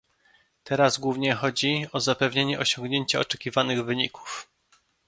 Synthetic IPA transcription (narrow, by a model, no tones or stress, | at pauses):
t̪ɛɾazɡwuvɲɛxɔd͡ʑiɔzapɛvɲeɲɛʔɔɕɔŋɡɲeɲt͡ɕaɔt͡ʂɛkʲivanɘɣvɘɲiku̥f